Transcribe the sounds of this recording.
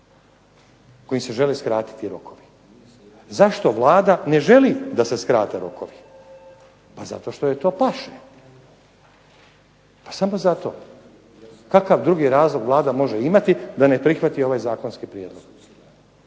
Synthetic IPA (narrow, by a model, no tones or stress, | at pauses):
ko̞jimseʒe̞leskɾaːt̪i̥t̪iɾo̞kʰo̞ʋi | zaʃt̪o̞ʋlˠaːd̪ane̞ʒe̞lid̪aseskɾaːt̪eɾo̞̰kʰoʋi | paza̰t̪oʃt̪ojet̪o̞ːpaʃe | pḁsamo̞zat̪o̞̰ | kakaʋd̪ɾuɡiɾaːzlˠo̞ɡʋlˠaːd̪amo̞ʒeimat̪id̪anepɾixʋat̪io̞ʋaːjzaːko̞nskipɾjeːd̪lˠo̞ɡ̥